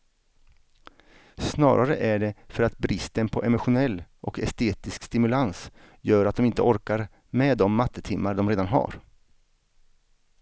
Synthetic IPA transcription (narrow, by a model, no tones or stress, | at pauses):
snɑ̰ːɾʔaɾəʔæɖɛfœɾat̪bɾɪst̪ənpʰɔʔɛmʊɧʊnɛlːʔɔkɛst̪eːt̪ɪskst̪ɪmɵlans | jœːɾat̪̚d̪ɔmɪnt̪əɔɾkaɾ | mɛd̪ɔmːat̪ʰːət̪ʰɪmːaɖ̪ɔmɾeːd̪anɦa̰ɾ